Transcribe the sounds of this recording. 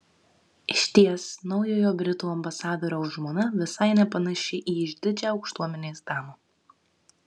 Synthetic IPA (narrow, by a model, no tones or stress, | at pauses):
ɪʃʲt̪ʲiɛsnɒʊjoːjoːbʲɾʲɪt̪uːɐmbɐsɑːd̪oːɾʲoːʊʒmoːnɐʋʲɪsɐɪnʲɛpɐnɐʃʲɪʔiːɪʒʲd̪ʲɪd͡ʒʲɛɒʊkʃt̪uɔmʲɛnʲeːsd̪ɑːmo